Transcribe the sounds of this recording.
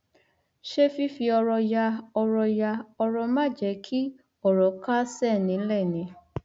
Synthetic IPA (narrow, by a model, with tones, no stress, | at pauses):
ʃe˦fi˦fi˧ɔ˧ɾɔ˧ja˧ɔ˧ɾɔ˧ja˧ɔ˧ɾɔ˧mã˦˨d͡ʒɛ˨˦kʰi˦ | ɔ˦˨ɾɔ˨ka˦sɛ˦˨nĩ˨˦lɛ˦˨nĩ˨˦